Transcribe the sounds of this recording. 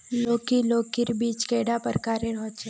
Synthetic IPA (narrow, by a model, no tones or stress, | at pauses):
loːkiloːkɪɾbiːt͡ʃkeːɽapəɾkaːɾeɾɔːt͡ʃʰe